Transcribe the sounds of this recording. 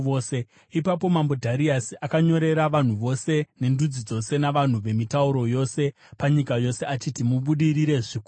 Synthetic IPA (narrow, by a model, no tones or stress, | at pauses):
se | ipapo̞mambodʱaɾiasiʔakaɲo̞ɾe̞ɾaʋan̤uʋo̞se̞ne̞ndud͡zid͡zo̞se̞naʋan̤uʋe̞mitauɾo̞jo̞se̞ | paɲikajo̞seat͡ʃitimuɓuɗiɾiɾe̞ʐiku